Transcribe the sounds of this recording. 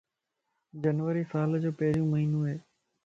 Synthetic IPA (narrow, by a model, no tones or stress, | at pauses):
d͡ʑənʋəɾiːsaːld͡ʑoːpɐɦɪɾũːməɦiːnoɦeː